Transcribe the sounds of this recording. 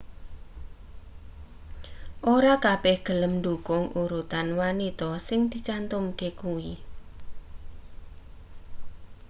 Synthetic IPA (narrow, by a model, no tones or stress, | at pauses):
ʔoɾakab̥ɛhɡ̥ə̤ləmnd̪ukʊŋuɾut̪anwanit̪ɔsɪŋd̪̥it͡ʃant̪umkekuwi